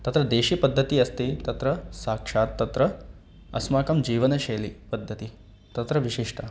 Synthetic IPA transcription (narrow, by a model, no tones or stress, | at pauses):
t̪ɐt̪ɾɐd̪eːʃiːpɐd̪ʱːɐt̪iɐst̪it̪ɐt̪ɾɐsaːkʂaːt̪ːɐt̪ɾɐ | ɐ̰smaːkɐmd͡ʒiːʋɐnɐʃeːlipɐd̪ʱːɐt̪i | t̪ɐt̪ɾɐʋiʃiʂʈʰɐ